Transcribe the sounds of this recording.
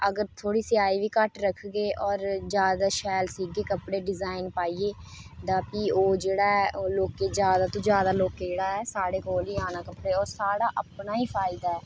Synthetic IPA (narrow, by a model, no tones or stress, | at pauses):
əɡəɾt̪ʰoːɽiːsɪaːiːʋiːkəʈɾəkʰɡeːʔɔːɾd͡ʒjaːd̪aːʃɛːlsiːɡeːkəpɽeːɖɪzaːɪnpaːiːeːd̪aːpiːoːd͡ʒeːɽaːɛʔoːloːkeːd͡ʒjaːd̪aːt̪õːd͡ʒjaːd̪aːloːkeːd͡ʒeːɽaːɛːsaːɽeːkoːliːaːnaːkəpɽeːɔːɾsaːɽaːʔəpnaːiːpʰaːɪd̪aːɛː